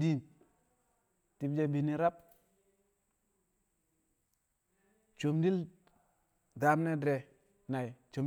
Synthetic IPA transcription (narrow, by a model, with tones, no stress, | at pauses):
di˦n | ti˨bd͡ʒe˦bi˨ni˨ɾa˦p̚ | t͡ʃo˨mdi˦l | da˨˦mne˦dɾe˨ | na˨i˨t͡ʃo˨m